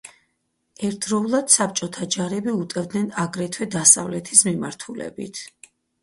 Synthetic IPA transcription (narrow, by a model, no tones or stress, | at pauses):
ɛɾt̪ʰdɾɔulˠad̪̥sap̚t͡ʃʼɔt̪ʰad͡ʒaɾɛbiut̪ʼɛvd̪nɛnaɡɾɛt̪ʰwɛd̪asa̰vlɛt̪ʰi̥smimaɾt̪ʰulɛ̰bḭt̪ʰ